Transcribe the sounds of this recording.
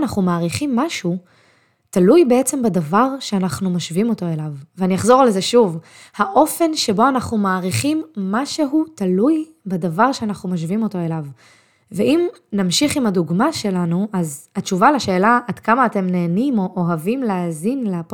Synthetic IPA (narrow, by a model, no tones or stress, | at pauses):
naχnumaːʁiχimːaʃu | talujbeet͡se̞mbedavaʁʃeanaχnumaʃvimo̞to̞e̞lavveanijaχzo̞ʁalezeʃuv | haʔo̞fe̞nʃe̞bo̞anaχnumaːʁiχimːaʃe̞ɦutaluj | bedavaʁʃeanaχnumaʃ̬vimo̞to̞e̞lav | veʔim | namʃiχimhaduɡmaʃe̞lanuʔazhatt͡ʃt͡ʃuvalaʃe̞ːlaʔːdkamaːte̞mne̞ːnimo̞ʔoɦavimleazinleap